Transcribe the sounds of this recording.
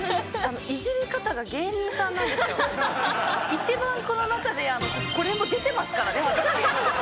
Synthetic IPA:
ano̞ʔiʑiɾɯkat̪aɡaɡẽ̞nit̪ãnːãnd̪e̞sɨjo | it͡ɕibãŋko̞no̞nakad̪e̞ano̞ko̞ɾe̞mo̞d̪e̞t̪e̞masɨ̥kaɾane̞βat̪aɾi

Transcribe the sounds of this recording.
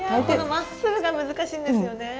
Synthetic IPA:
ak̪onomasːɨbɯ̟ɡamɯ̟zɨkaɕĩːnd̪esɨjo̞ne̞

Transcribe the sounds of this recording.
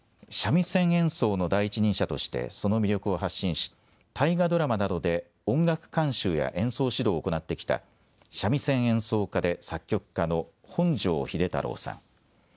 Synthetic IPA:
ɕamʲisẽ̞ɰ̃ẽ̞ɰ̃so̞ːno̞d̪aiit͡ɕiɲ̟ĩɰ̃ɕat̪o̞̰ɕi̥t̪ḛso̞no̞mʲiɾʲo̞kɯ̟oɦaɕːĩɰ̃ɕi̥ | t̪ʰaiɡad̪o̞ɾamanad̪o̞d̪e̞ | õ̞ŋɡakɯ̟̥kãɰ̃ɕɨːja̰ʔẽ̞ɰ̃so̞ːɕid̪o̞ːko̞nat̪ːe̞kʲi̥t̪a̰ | ɕamʲisẽ̞ɰ̃ẽ̞ɰ̃so̞ːkad̪e̞sakʲːo̞kɯ̥kːano̞ | hõ̞ɲd͡ʑo̞̰ːçid̪e̞t̪a̰ɾo̞̰ːsã̰ŋ

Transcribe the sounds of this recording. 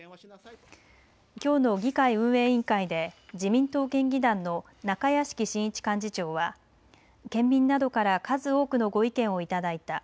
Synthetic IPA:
kʲo̞ːno̞ɡʲikaiɯ̟̃ɰ̃e̞ːĩŋkaid̪e̞d͡ʑimʲĩnt̪o̞ːkẽ̞ŋɡʲid̪ãnːo̞ | nakajaɕi̥kʲiɕĩɰ̃it͡ɕi̥kãɲ̟d͡ʑit͡ɕo̞ːβa | kẽ̞mːʲĩnːad̪o̞kaɾakazɨo̞ːkɯ̟no̞ɡo̞ikẽ̞ɰ̃o̞it̪ad̪ait̪a

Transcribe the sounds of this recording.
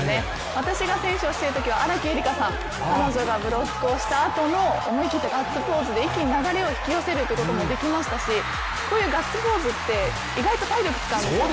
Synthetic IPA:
ne | β̞at̪aɕiɡasẽ̞ɰ̃ɕoːɕi̥eɾɯ̟t̪o̞kʲiβaaɾakʲieɾʲikasãŋ | kano̞ʑo̞ɡabɯ̟ɾo̞kːoːɕi̥t̪aːt̪o̞no̞omoikʲit̪ːeɡat͡sːɨpo̞ːzɨd̪e̞ikʲiɲinaɡaɾe̞o̞çi̥kʲio̞se̞ɾɯ̟t̪ːeɯkot̪omo̞d̪e̞kʲimaɕi̥t̪aɕi | ko̞ːjɯ̟ːɡat͡sːɨbo̞ːzɨt̪ːe̞ | iɡait̪o̞t̪aiɾʲo̞kɯ̟̥t͡sɨ̥kãe

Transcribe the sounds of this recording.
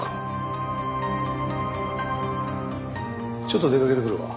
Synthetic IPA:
k | t͡ɕo̞t̪̬ːod̪e̞kake̞t̪ekɯɾɯβa̰

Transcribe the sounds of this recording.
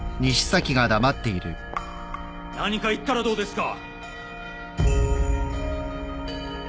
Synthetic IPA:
ɲ̟iɕi̥sakʲiɡad̪amat̪ːe̞iɾɯ̰ | naɲ̟ikait̪ːaɾad̪o̞ːd̪e̞sɨ̥ka̰

